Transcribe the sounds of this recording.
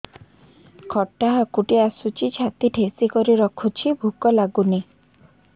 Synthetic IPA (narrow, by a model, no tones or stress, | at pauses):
kʰɔʈːaɦakuʈiasut͡ʃʰit͡ʃʰat̪iʈʰesikɔɾiɾɔkʰut͡ʃʰibʱukɔlaɡuni